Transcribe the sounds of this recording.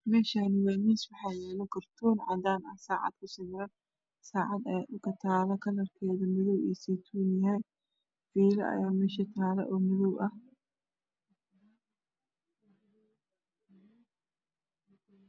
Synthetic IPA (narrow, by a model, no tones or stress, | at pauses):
mɛːʃaːnɪwaːniːswɑħɑːjɛːlɐkʰɐrt̪ʰɔːnʕɑd̪aːnɐsaːʕɑ̰d̪kʰʊsɪmɾɐ | saːʕɑd̪ɛkʰɐt̪ʰaːlɐkʰɐlɐrkʰɛːðɐmɪðɔwɛ̰ːsɛt̪ʰuːnjɛ | fiːlɐʔɐ̰jaːmɛːʃɐt̪ʰaːlɐ̰ʔɔːmɪðɔwʔɐh